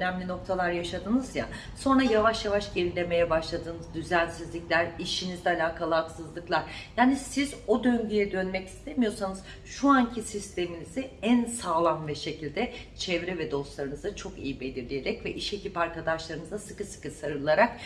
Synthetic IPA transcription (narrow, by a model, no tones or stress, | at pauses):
ønɛmlʲino̞k̚t̪ʰalˠaɾjaʃad̪ɯnɯzja̰ | so̞nɾajavaʃjavaʃɟe̞lʲilʲe̞me̞jɛbaʃlˠad̪ɯːnɯzd̪yzænsizlʲiclʲæɾiʃinizɛalʲaːkʰalˠaːksɯzlˠɯklˠaɾ̥jaːnisizo̞d̪ø̞ɲɟyjɛd̪ø̞nmɛci̥st̪ʰemijo̞sanɯz̥ | ʃuancʰisist̪ʰe̞miniziænsaːlˠanvɛʃe̞cʰilʲd̪ɛt͡ʃʰɛvɾɛvɛd̪o̞slˠaɾɯnɯzat͡ʃʰo̞kḭjibe̞lʲiɾlʲije̞ɾɛcvɛʔiʃe̞cipaɾkad̪aʃlˠaɾɯnɯzasɯ̥kɯsɯ̥kɯsaɾɯɾlˠaɾak̚